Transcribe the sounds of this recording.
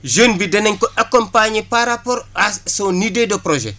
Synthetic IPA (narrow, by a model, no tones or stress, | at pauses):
ʒənbidɐnɛɲkɔʔakɔmpaɲepaɾapɔɾasonidedɔpɾoʒɛ̰